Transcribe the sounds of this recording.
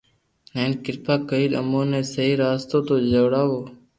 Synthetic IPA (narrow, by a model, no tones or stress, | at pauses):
neːnkɪɾpaːkəiːlə̰moːnẽːsəɦiːɾaːst̪oːt̪oːd͡ʒəʋɽaːʋoː